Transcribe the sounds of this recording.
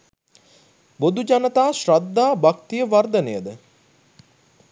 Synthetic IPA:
bod̪ud͡ʒanət̪aːʃɾad̪ːaːbakt̪ijəʋard̪ənejəd̪ə

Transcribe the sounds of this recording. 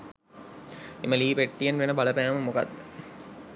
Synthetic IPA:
eməliːpeʈːijənʋenəbaləpæːməmoka̰d̪ːə

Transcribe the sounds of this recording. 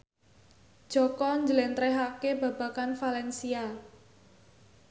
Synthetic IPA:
d̥ʒ̥ɔkɔɲd͡ʒəlɛnt̪ɾɛɦakeba̤ba̤kanfalɛnsia

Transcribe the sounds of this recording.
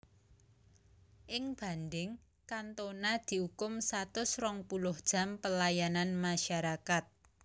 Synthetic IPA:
ʔɪŋb̥a̤nd̪ɪŋ | kant̪onad̪̥i̤hukʊmsat̪ʊsrɔŋpulʊhd̥ʒ̥a̤mpəlajananmaʃaɾakat̪̚

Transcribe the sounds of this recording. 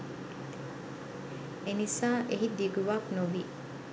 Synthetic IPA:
enisaːʔeɦid̪iɡuʋaːknuʋiː

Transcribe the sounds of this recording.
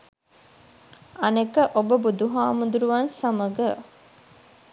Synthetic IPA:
ɐnekəʔobəbud̪uɦaːmud̪uɾuʋansaməɡə

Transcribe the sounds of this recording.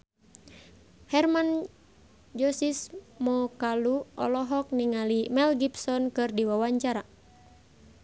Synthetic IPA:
hɛrman | d͡ʒɔsismɔkaluɔ̰lɔɦɔk̚niŋalimɛlɡipsɔnkɨrdiwawaɲt͡ʃaɾa

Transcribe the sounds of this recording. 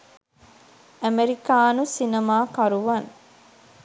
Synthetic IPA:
æmeɾikaːnusinɐmaːkɐɾuʋɐŋ

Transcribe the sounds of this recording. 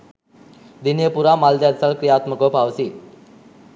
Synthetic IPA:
d̪injəpuɾaːmald̪jad̪salkɾijaːt̪məkəʋpaʋəsi

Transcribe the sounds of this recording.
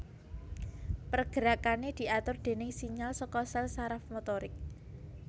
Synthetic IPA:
pərɡ̥ə̤ɾakaned̪̥i̤at̪ʊrd̪̥e̤nɪŋsiɲalsɔkɔsɛlsaɾafmot̪ɔɾɪk̚

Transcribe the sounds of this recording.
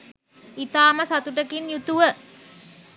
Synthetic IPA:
it̪aːməsat̪uʈəkinjut̪uʋə

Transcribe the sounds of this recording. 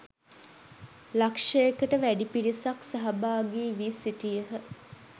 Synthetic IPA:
lakʂəekəʈəʋæɖipiɾisaksaɦɐbaːɡeːʋisiʈijəɦə

